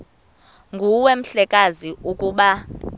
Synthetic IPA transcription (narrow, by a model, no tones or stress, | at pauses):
ŋɡʱuwem̩ɬɛkʼaziʔukʼuːɓa